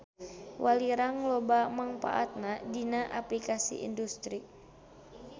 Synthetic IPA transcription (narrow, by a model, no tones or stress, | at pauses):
wʔaliɾaŋlɔbamaŋpa̰ʔa̰t̪̚nadinaʔaplikasḭʔḭndust̪ɾi